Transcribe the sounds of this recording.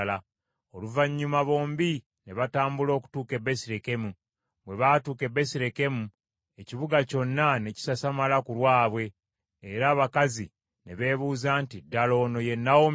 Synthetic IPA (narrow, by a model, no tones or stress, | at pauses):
la | o̞luvaɲːumaβo̞ːmbi | ne̞βataːmbulo̞ːku̥tuːke̞be̞siɾeke̞mu | βwe̞βaːtuːke̞be̞siɾe̞ke̞mu | e̞ciβuɡaco̞nːane̞ci̥sasamalakulwaːβwe̞ː | ɾaːβakazi | ne̞βe̞ːβuːzaːntidːalo̞ːno̞je̞nːawo